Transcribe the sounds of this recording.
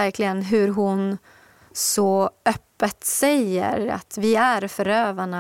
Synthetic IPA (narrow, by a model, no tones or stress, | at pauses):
æɾklɪɡənɦɵɾɦʊn | sɔœpːət̪sɛjə̰ɾa̰t̪vɪæɾfœɾøːvaɳa